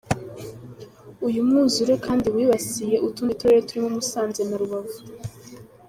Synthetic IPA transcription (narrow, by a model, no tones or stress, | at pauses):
ujumŋuːzuɾekʰaːndiwiːβasije̞ʔutunituɾejetuɾimumusaːnze̞naɾuβaβo